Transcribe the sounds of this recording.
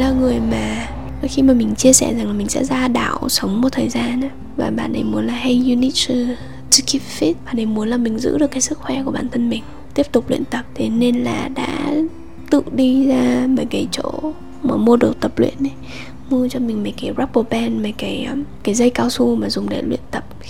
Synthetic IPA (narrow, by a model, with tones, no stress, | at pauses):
laː˨˧˩ŋɨ˨˩əjmaː˨˩ | ə˨˦xi˧maː˨˩mï˨˩ŋ̟t͡ɕi˧əsɛ̰˧˩za˨˩ŋla˨˩mï˨˩ŋ̟sɛ̰˧˥zaː˧ɗa̰ː˧˨wsə˨˦wŋ͡mmo˨˩t̚t̪ʰəː˨˩jzaː˧na˨˦ | va̰ː˨˩ɓa̰ː˨nɗə˨˩jmu˨˦ənlaː˨˩hə˧ju˧ni˦˥ | tki˦˥fi˦˥t̚ɓaː˨nɗə˨˩jmu˨˦ənlaː˨˩mï˨˩ŋ̟zɨ̰˧˥ɗɨ˨˩əkːaː˨˦sɨ˦˥k̚xwɛ˧˩ku˧˩əɓaː˧˩nt̪ʰə˧nmï˨˩ŋ̟ | t̪i˦˥əp̚t̪ʊ˨˩k͡p̚lwḭ˧˨ənt̪ə˨˩p̚t̪ʰe˨˦ne˧nlaː˨˩ɗa̰ː˧˥ | t̪ɨ̰˧˨ɗi˧zaː˧məː˨˩jɣə˨˦jt͡ɕo̰˧˥ | məː˨˩mu˧əɗɨ̰˨˩ək̚t̪ə˨˩p̚lwḭ˧˨ənɗi˨˦ | mu˧ət͡ɕɔ˧mi˨˩ŋ̟mə˨˩kaː˨˦jza˦˥k̚ɓo˧˩pɛ˧nma˨˩jkaː˨˦jkaː˨˦jzə˧jkaː˧wsu˧maː˨˩zʊ˨˩ŋ͡mɗḛ˨˦lwḭ˧˨ənt̪ə˨˩p̚